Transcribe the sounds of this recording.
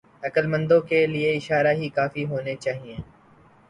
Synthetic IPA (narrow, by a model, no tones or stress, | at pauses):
ɐkəlmə̃nd̪õkelieɪʃaːɾaɦikaːfiɦoːnet͡ʃaːɦiẽː